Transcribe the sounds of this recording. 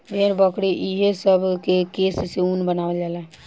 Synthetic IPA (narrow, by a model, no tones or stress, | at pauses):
ʋeɾbəkɽiʔiɦesəbʱkekeːsseunbənaːʋeld͡ʒaːlɛ